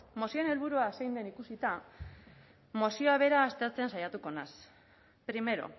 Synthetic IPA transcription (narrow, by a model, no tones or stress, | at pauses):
mo̞siene̞lβ̞uɾuasejnd̪e̞nikusit̪a | mo̞sioaβ̞e̞ɾaːst̪e̞ɾt͡se̞nsajat̪uko̞nas | pɾime̞ɾo̞̰